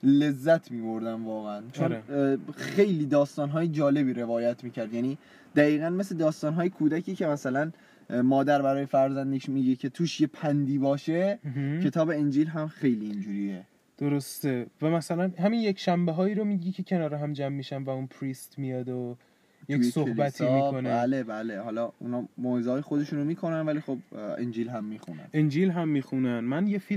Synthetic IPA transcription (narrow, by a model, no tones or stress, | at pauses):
le̞zːæt̪ʰmiːbo̞ɾd̪ænvɒːɣeænt͡ʃʰonɾexejliːd̪ɒːst̪ɒːnɦɒːjed͡ʒɒːle̞biːɾe̞vɒːjæt̪ʰmiːcʰæɾd̪jæniː | d̪̥æɣiːɣænme̞sled̪ɒːst̪ɒːnɦɒːje̞kʰuːd̪æcʰiːcʰe̞mæsælæn | mɒːd̪æɾbæɾɒːjefæɾzænd̪iʃmiːɟecʰe̞t̪ʰuːʃje̞pʰænd̪iːbɒːʃe̞ɦcʰe̞t̪ʰɒːbe̞end͡ʒiːlɦæmxe̞jliːnd͡ʒuːɾiːje | d̪̥oɾo̞st̪evæmæsælænɦæmiːnje̞cʃæmbeɦɒːiːɾo̞miːɟiːcʰecʰe̞nɒːɾeɦæmd͡ʒæmːiːʃænvæunpʰɾist̪mijɒːd̪o | jeksohbæt̪ʰiːmikʰo̞næælebæːlehɒːlɒːṵːnhɒːmoːezɒːjexod̪e̞ʃuːnomiːkʰo̞nænvælixob̚ḛnd͡ʒilɦæmːiːxṵnæ̰nend͡ʒilɦæmːiːxunænmænjefil